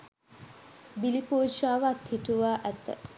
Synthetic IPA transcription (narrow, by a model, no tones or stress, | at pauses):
bilipoːʃaːʋat̪hiʈuʋaːʔæt̪ːə̰